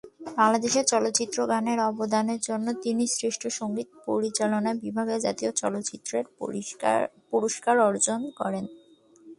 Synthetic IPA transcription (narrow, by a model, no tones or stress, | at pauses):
baŋlad̪eʃeɾt͡ɕɔlot̪ːɕit̪ːɾoɡaneɾɔbod̪aneɾd͡ʑonːot̪inisɾiʃʈʰoʃoŋɡit̪poɾit͡ɕalonaebibʱaɡed͡ʑa̰t̪iot͡ɕɔlot̪ːt͡ɕit̪ːɾeɾ | puɾoʃkaɾɔɾd͡ʑonkɔɾen